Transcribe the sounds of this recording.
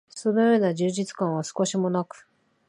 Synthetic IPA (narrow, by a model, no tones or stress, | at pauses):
so̞no̞jo̞ːnaʑɨːʑit͡sɨ̥kãɰ̃β̞asɨ̥ko̞ɕimo̞nakɯ̟̥